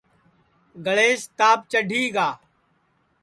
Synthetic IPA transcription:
ɡəɭeːst̪aːp̚t͡ʃəɖʱiːɡaː

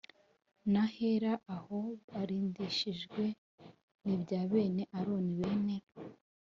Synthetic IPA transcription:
nahe̞ɾaʔaho̞βaɾiːndiʃiʒɡwe̞ | nibɟaːβe̞ːne̞ʔaɾo̞ːniβe̞ːne

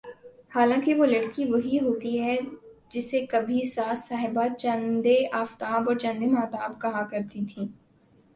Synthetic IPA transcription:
haːlãːkiʋoːlɐɽkiʋɐɦiɦoːt̪iɦɛd͡ʒɪsːekɐbʱisaːsaːɦɪbat͡ʃɐ̃nd̪eʔaːft̪aːbɔːɾt͡ʃɐ̃nd̪emaːt̪aːbkɐɦakɐɾt̪it̪ʰĩː

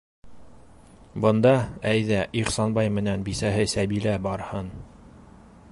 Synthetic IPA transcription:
bɤ̆nd̪ɑæjðæʔiχsɑnbɑjmɘ̆nænbisæɦɘsæβilæbɑɾhɤn

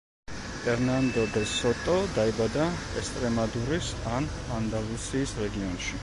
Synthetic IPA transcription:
ɛɾnand̪ɔd̪ɛsɔt̪ʼɔd̪aibad̪a | ɛkst̪ʼɾɛmad̪uɾisan | and̪alˠusiːsɾɛɡiɔnʃi

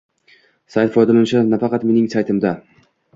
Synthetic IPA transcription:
sajt̪fɒjd̪alanʃanafɑqɑt̪me̞nɪŋsajt̪ʰɪmd̪a

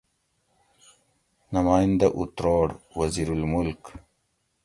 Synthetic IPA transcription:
namaːjind̪aʔut̪ɾoːɽwɐziɾulmʊlk

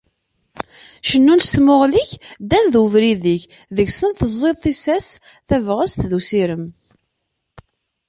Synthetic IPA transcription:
ʃənːunst̪moʁliçd̪ænðuvɾiðiç | ðəçsənθəzˤːeðˤθisæs | θævʁəst̪ðusiɾəm

